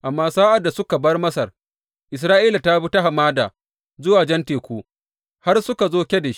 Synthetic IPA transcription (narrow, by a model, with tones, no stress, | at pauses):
ʔa˨mːaː˦saː˦ʔa˨da˨sʊ˦ka˨bɐ˦rmɐ˦sɐ˨r | ʔɪ˨s̬ɾaː˦ʔiː˦la˨ta˦bi˦ta˦ɦa˨maː˦da̰ː˨ | zʊ˦waː˨d͡ʒɛ˦nteː˨kʷuː˦ | ha˦rsʊ˦ka˨zoː˦kʲe˦da˨ʃi̥˦